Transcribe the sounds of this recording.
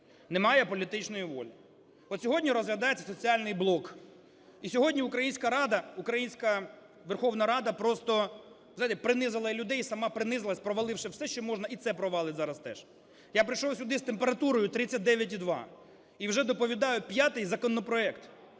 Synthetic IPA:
nemɑjɛpɔlʲit̪ɪt͡ʃnɔjʊʋɔ̰lʲi | ɔt̪sʲɔɦɔdʲnʲiɾɔzɦlʲɐd̪ɑjet͡sʲːɐ̥sɔt͡sʲiɑlʲnɪjblˠɔk | isʲɔɦɔdʲnʲiʊkɾɐjinʲsʲkɐɾɑd̪ɐukɾɐjinʲsʲkɐ | ʋerxɔwnɐɾɑd̪ɐpɾɔst̪ɔ | zɑjt̪ɛpɾɪnɪzɪlˠɐlʲʊd̪ɛjsɐmɑpɾɪnɪzɪlˠɐsʲpɾɔʋɐlˠɪwʃɛwsɛʃt͡ʃɔmɔʒnɐit̪sɛpɾɔʋɑlˠɪtʲzɑɾɐst̪ɛ̰ʃ | japɾɪjʃɔwsʲʊd̪ɪst̪empeɾɐt̪uɾɔjʊt̪ɾɪt͡sʲːɐt̚ʲd̪ɛʋʲjɐt̬ʲid̪ʋɑ̰ | iwʒɛd̪ɔpɔʋʲid̪ɑjʊpʲjat̪ɪjzɐkɔnɔpɾɔɛkt̪

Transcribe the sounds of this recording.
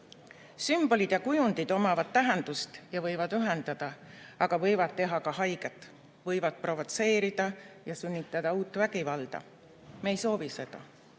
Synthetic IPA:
symb̥o̞lid̪̥jɑkujund̪̥id̪̥o̞mɑvɑd̪̥̚t̪æɦend̪̥ust̪jɑvɤjvɑd̪̥yɦend̪̥ɑd̪̥ɑɑɡ̥ɑvɤjvɑd̪̥̚t̪ːe̞ɦɑkɑɦɑjɡ̥et̪ːˑ | vɤjvɑd̪̥̚pro̞vot̪se̞ːɾid̪̥ɑjɑsynʲːit̪ːˑɑd̪̥ɑuːt̪ːˑvæɡ̥ivɑld̪̥ɑ̰ | mejso̞ːvise̞d̪̥ɑ

